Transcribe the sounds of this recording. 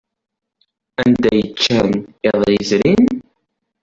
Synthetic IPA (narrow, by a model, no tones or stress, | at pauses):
ænd̪æjət͡ʃːænɪðˤizɾin